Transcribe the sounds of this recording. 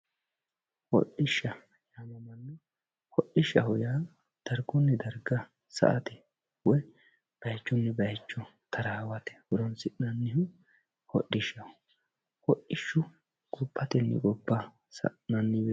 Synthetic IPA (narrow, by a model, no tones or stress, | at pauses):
hɔ̰ɗɪʃːɐ | jamɐmɐnːɛ | hɔʔːɪʃɐhʊjaː | d̪̥ɐɾɡɔnːɛd̪ɐɾɡɐ | sɐ̰ʔɐt̪ɛ | wɔj | b̥ɐjt͡ʃːɔnːɛbɐjt͡ʃːɔ | t̪ʰɐɾaːwɐt̪ɛ̥wʊɾɔnsɪnɐnːɪhʊ | hɔ̰ʔːɪʃːɐhʊ | hɔʔːɪʃːʊ | ɡʼɔpːɐt̪ɛnːɪ̰kʼɔbːɐ | sɐ̰nɐnːɪbɛ